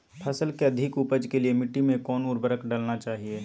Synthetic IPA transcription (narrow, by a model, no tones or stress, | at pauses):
pʰɐsəlkeɐd̪ʱɪkupəd͡ʒkeliemɪʈːimẽkɔːnuːɾbəɾəkɖaːlnat͡ʃaːɦieː